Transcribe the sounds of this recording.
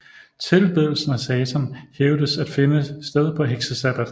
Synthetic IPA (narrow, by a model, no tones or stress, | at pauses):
t͡sʰe̝lb̥eðˠl̩sn̩æsɛːt͡sʰɒnheʊd̥əsæd̥fe̝nəsd̥eð̞ˠpʰɒ̽ɦeɡ̥səsæb̥æd̥